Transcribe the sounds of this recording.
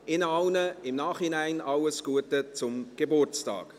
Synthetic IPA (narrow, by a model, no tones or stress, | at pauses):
ɪnɑlnəɪmnɑːχinæɪnʔɑlːəsɡ̥uətət͡sʊmɡ̥ebʊrt͡stɑ̰ːk